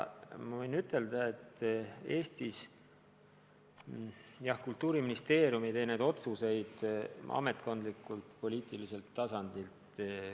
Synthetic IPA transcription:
mɑvɤjnyt̪ːˑe̞ld̪ɑe̞t̪ːˑe̞ːst̪is | jɑhkult̪ˑːuːɾiminist̪e̞ːrjumid̪ejne̞d̪o̞t̪suse̞jd̪̥ɑ̰me̞t̪ːˑko̞nd̪likːˑult̪po̞liːt̪ˑilise̞lt̪ːɑsɑnd̪ilt̪

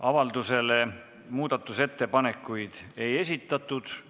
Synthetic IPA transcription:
ɑvɑld̪use̞le̞ | muːd̪̥ɑt̪ːˑuse̞t̪ːe̞pɑne̞kːujd̪̥e̞je̞sʲit̪ːˑɑt̪ˑːud̪̥

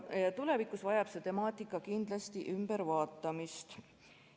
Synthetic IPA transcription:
jɑt̪ule̞vikːˑusvɑjɑb̥se̞t̪e̞mɑːt̪ːˑikːˑɑkind̪lɑst̪iʔymb̥eɾvɑːt̪ˑːɑmist̪

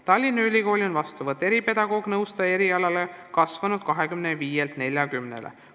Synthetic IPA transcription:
t̪ɑlʲːinːɑylʲiko̞ːlʲio̞nvɑst̪uvɤt̪ːˑe̞ɾipe̞d̪̥ɑɡ̥o̞ːɡ̥nɤwst̪ɑe̞ɾiɑlɑlekɑsvɑnud̪̥kɑɦe̞kymneviːjelt̪ne̞lʲjɑkymnḛlḛ

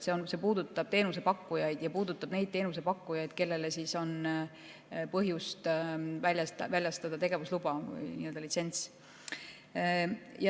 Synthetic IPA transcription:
se̞onse̞puːd̪ut̪ːˑɑb̥t̪e̞ːnus̬e̞pɑkːujɑjd̪̥jɑpuːd̪ut̪ːˑɑb̥ne̞jd̪̚t̪e̞ːnuse̞pɑkːujɑjd̪̥ke̞lːe̞le̞siso̞n | pɤɦjust̪vælʲjɑst̪vælʲjɑst̪ɑd̪̥ɑt̪e̞ɡe̞vuslubɑvɯ̰jniːø̞ld̪ɑlit̪se̞nt̪s | jɑ

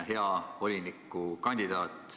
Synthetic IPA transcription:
ɦe̞ɑvo̞lʲinikːˑukɑnʲd̪id̪ɑːt̪ːˑ

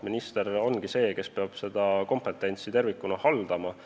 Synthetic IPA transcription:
minist̪e̞ɾo̞nɡ̥ise̞ːke̞spe̞ɑb̥se̞d̪̥ɑko̞mpet̪ːˑe̞nʲt̪sit̪e̞rvikːˑunɑhɑld̪̥ɑmɑ

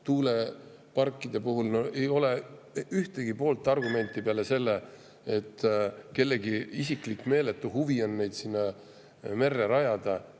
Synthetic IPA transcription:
t̪uːle̞ | pɑrkːˑid̪̥e̞puɦulnoe̞jo̞le̞ | yht̪e̞ɡ̥ipo̞ːlt̪ːˑɑrɡume̞nt̪ːˑipeɑle̞se̞lːe | et̪ːke̞lːe̞ɡiis̬iklikːme̞ːle̞t̪ːˑuɦuvio̞nːe̞jd̪̥sinːɑ | me̞rːeɾɑjɑd̪̥ɑ

